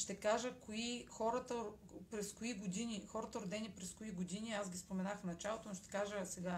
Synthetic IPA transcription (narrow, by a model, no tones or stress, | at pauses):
ʃt̪ɛkaʒəkoixɔɾət̪ə | pɾɛskoiɡod̪inixɔɾət̪əɾʊd̪ɛnipɾɛskoiɡod̪iniazɡʲispomɛnaxfnɐt͡ʃalˠot̪onʊʃt̪ɛ̥kaʒəsɛɡa